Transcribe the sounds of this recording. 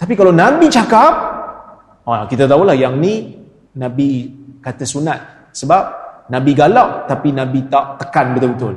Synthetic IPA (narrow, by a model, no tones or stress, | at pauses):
t̪ap̬ikalawnabit͡ʃakap̚ | akit̪at̪aulahjaŋnĩ | nãbikat̪əsunat̪̚ | səbap̚nãbiɡalaʔt̪apinãbit̪aʔt̪ə̥kanbət̪ʊlbət̪ʊl